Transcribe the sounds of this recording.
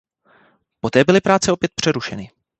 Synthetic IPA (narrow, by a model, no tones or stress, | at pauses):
po̞t̪ɛːbɪlɪpɾaːt͡sɛopjɛt̪̚pr̥ɛɾuʃɛnɪ